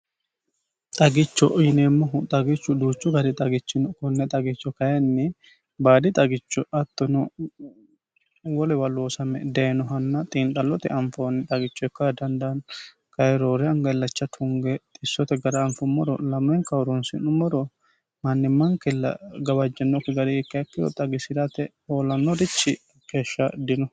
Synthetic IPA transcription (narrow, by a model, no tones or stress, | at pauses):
t̪ʼɐɡɪt͡ʃːɔʔjɪneːmːɔɦʊt̪ʼɐɡɪt͡ʃːʊd̪uːt͡ʃːʊɡɐd̪ɪt̪ʼɐɡɪt͡ʃːɪnkɔnːɛt̪ʼɐɡɪt͡ʃːɔkɐjɐnːɪ | baːd̪ɪt̪ʼɐɡɪt͡ʃːɔʔɐt̪ːɔnɔ | wɔlɛwɐlːoːsɐmɛ̰d̪ɐɛnɔɦɐnːɐt̪ʼiːnt̪ʼɐlːɔt̪ɛ̰ɐɱfonːɪt̪ʼɐɡɪt͡ʃːɔɛkːad̪ɐnd̪ɐn | kɐjɛɾoːɾɛɐŋɡɐlːɐt͡ʃːɐt̪ʰʊŋɡɛt̪ʼɪsːɔt̪ɛɡɐɾɐːɱfʊmːɔɾɔlɐmːɛŋkɐɔɾʊnsɪ̰nʊmɔɾɔ | mɐnːɪmːɐŋkɛlɐ̰ɡɐbɐd͡ʒːɛnːɔkːɛɡɐdɛɛkːɐɐkːɪjɔ̰t̪ʼɐɡɪsɪɾɐt̪ɛ | oːlɐnːɔd̪ɪt͡ʃːɪ | ke̞ːʃːɐd̪ɪnɔ